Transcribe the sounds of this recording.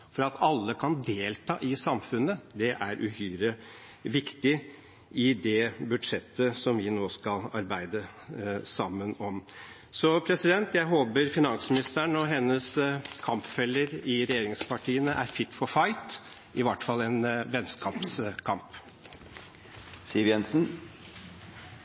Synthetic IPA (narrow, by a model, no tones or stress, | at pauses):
fɔɾɑt̪ʰɑlːəkʰɑnd̪eːlt̪ʰɑ̰ːʔɪsɑmfʉnəd̪ɛʔæɾʔʉhyːɾə | ʋɪkt̪ɪ | ɪd̪ɛbʉd̪ʂɛt̪ʰːəsɔmʋɪnoːskɑlɑɾbæɪd̪ə | sɑmːənɔm | sɔpʰɾɛsɪd̪ɛnt̪jæɪɦoːbəɾfɪnɑnsmɪnɪst̪əəɳɔɦɛnːəskʰɑmpfɛlːəɾɪɾɛjeːɾɪŋspɑʈʰiːənəʔæ̰ɾfɪt̪ːfɔɾfɑɪt̪ | ʔɪʋɑʈːfɑlɛnʋɛnskʰɑːpskʰɑmp | siʋjɛnsn